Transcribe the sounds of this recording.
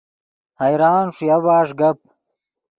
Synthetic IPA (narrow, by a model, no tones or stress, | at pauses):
hɐjɾaːnʂjɐwaːʂɡɐp̚